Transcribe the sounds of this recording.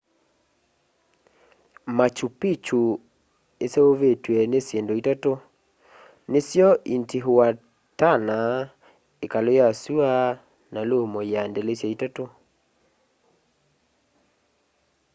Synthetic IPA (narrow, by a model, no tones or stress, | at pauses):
mat͡ʃupit͡ʃu | eseoβetwɛnesjendoitato | nesjɔʔintiɦoa | tana | ekalojasua | nalomɔjandɛlesjaitato